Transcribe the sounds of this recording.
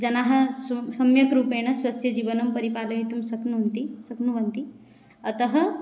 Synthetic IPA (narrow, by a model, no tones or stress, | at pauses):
d͡ʒɐnaɦɐ̆ssɐmjɐkɾuːpeɽ̃ɐsʋɐsjɐd͡ʑiːʋɐnɐmpɐɾipaːlɐit̪umsɐknunt̪isɐknuʋɐnt̪i | ɐt̪ɐɦɐ